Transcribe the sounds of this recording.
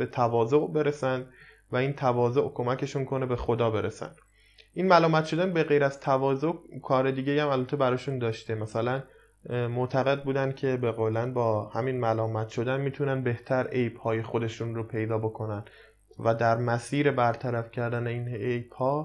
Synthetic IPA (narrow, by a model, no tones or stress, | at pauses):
b̥e̞t̪ʰævɒːzo̞ʔbe̞ɾesænd̪ | væiːnt̪ʰævɒːzoʔkʰo̞mæcʰe̞ʃunkʰo̞ne̞be̞xo̞d̪ɒːbe̞ɾʔesæ̰nd̪̥ | ʔinmælɒːmæt̪ʃo̞d̪ænbe̞ɣe̞jɾæzt̪ʰævɒːzo̞ʔkʰɒːɾe̞d̪iːɟejhæmælbæt̪ʰebæɾɒːʃund̪ɒːʃt̪emæsælæn | moʔt̪ʰæɣe̞d̪̚buːd̪ænd̪̥̚cʰe̞beɣoːlænbɒːhæminmælɒːmæt̪ʃo̞d̪ænmiːt̪ʰunænbe̞ht̪ʰæɾe̞jbhɒːje̞xo̞d̪e̞ʃunropʰe̞jd̪ɒːbo̞kʰo̞næn | væd̪æɾmæsiːɾe̞bæɾt̪ʰæɾæfcʰæɾd̪æneinejb̥hɒː